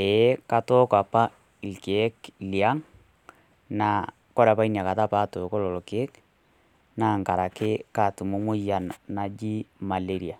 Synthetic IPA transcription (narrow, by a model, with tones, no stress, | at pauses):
e˨˦ka˨tɔ˦ka˨pa˦ | i˨lke˨˦kli˨a˦ŋ | na˨ | kɔ˦ɾa˨pa˦i˦nja˨ka˨ta˦pa˦to˨kɔ˦lɔ˨lɔ˨keː˦k | na˦ŋka˨ɾa˨kɪ˦ka˦˨tu˨mo˦mʊ˦ja˨nna˨d͡ʒi˦ma˨le˦ɾi˨a˨